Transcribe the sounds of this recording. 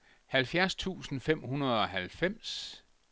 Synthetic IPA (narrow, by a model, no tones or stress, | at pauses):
hælfjæɐst͡sʰṵːsn̩fem̰hunɐð̞ˠɒ̽ɦælfem̰s